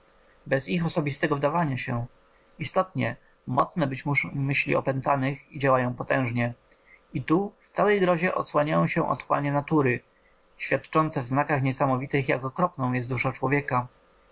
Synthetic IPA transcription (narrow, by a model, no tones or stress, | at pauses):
bɛzixɔsɔbʲist̪ɛɡɔvd̪avaɲaɕɛ | ist̪ɔt̪ɲɛ | mɔt̪snɛbɘt͡ɕmuʂmɘɕlʲḭɔ̰pɛnt̪anɘxid͡ʑawajɔ̃w̃pɔt̪ɛ̃w̃ʐɲɛ | it̪uft̪sawɛjɡɾɔʑɛʔɔt̪swaɲajɔ̃w̃ɕɛʔɔ̰t̪wa̰ɲɛnat̪uɾɘ | ɕfʲjat̪t͡ʂɔnt̪sɛvznakaxɲɛsamɔvʲit̪ɘxjakɔkɾɔpnɔ̃w̃jɛst̪d̪uʂat͡ʂwɔvʲjɛka